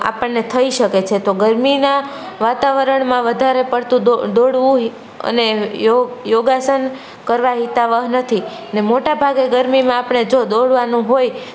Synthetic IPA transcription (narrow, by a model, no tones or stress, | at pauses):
a̰pəɳnet̪ʰəiʃəket͡ʃʰet̪oɡəɾmina | ʋat̪aʋəɾəɳmãʋəd̪ʱaɾepəɽt̪ũod̪oɽʋũ | ə̰nejojoɡasən | kəɾʋaɦit̪aʋəɦnət̪ʰi | nemoʈabʱaɡeɡəɾmimãapɳ̃ed͡ʒod̪oɽʋanũɦoj